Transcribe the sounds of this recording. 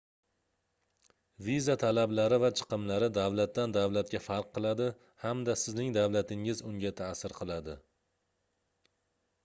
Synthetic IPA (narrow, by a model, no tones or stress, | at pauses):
vizat̪ʰalablaɾɪvat͡ʃʰɨ̥qɨmlaɾɪd̪awlat̪ːand̪awlat̪̚kʲafaɾqʰːɨlˠad̪ɪ | hamd̪asɪznɪŋd̪awlat̪ʰɪŋɪzʊŋɡʲat̪ʰasɪɾqʰɨlˠad̪ɪ